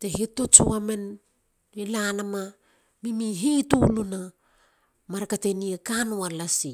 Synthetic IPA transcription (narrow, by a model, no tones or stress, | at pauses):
tehitot͡ʃuamen | ilanama | mimiɦituluna | maɾakateniekanualasi